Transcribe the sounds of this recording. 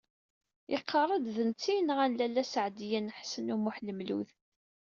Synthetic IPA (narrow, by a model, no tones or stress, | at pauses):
ɪqʰːɑrˤəd̪ðənt͡sːinʁænlælːæsəʕd̪jænħsənumuħləmlṵð